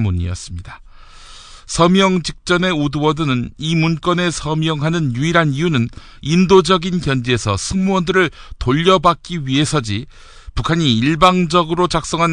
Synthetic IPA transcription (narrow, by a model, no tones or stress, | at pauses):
muɲḭʌ̰s͈ɯmɲida | sʰʌmjʌŋd͡ʑik̚t͡ɕ͈ʌne̞udɯwʌdɯnɯnimunk͈ʌne̞sʰʌmjʌŋɦanɯnjuiɾɦanijunɯn | indod͡ʑʌɡinkjʌnd͡ʑeesʰʌsʰɯŋmuwʌndɯɾɯɭtoʎːʌbak̚k͈iɥiɦe̞sʰʌd͡ʑi | pukʰaɲiːɭbaŋd͡ʑʌɡɯɾot͡ɕak̚s͈ʌŋɦan